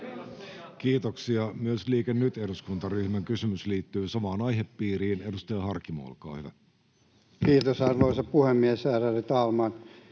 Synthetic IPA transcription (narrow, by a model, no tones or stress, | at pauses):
kiːt̪oksiɑmyøsliːkenːyt̪eduskunt̪ɑryhmæŋkysymysliːt̪ːyːsɑmɑːnɑjɦepːiːɾiːne̞dust̪eɑɦɑrkːimo̰ɑ̰lkɑ̰ːhyʋæ̰ | kiːt̪osɑrʋoisɑppuhemːiesæːrærit̪ɑːlmɑn